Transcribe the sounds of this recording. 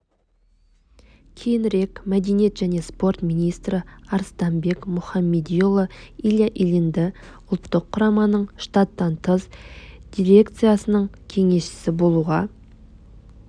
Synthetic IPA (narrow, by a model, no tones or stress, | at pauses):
kʲʰe̞jɪnɾe̞kmæd̪ejnje̞t̪ʒ̥æne̞spo̞rt̪mʲinijst̪ɾɪɑɾst̪ɑmbe̞kmʊχɑmːe̞d̪ijolˠəilʲjaʔilʲɪnd̪ɪ | ʊlˠt̪ːəqʰːʊɾɑmɑnəɴʃt̪ɑt̪ːɑnt̪ʰəzd̪̥ʲiɾʲe̞kt̪sɨjasənəɴkʲʰe̞ŋe̞sʃɪ̥sɪbo̞lˠuʁɑ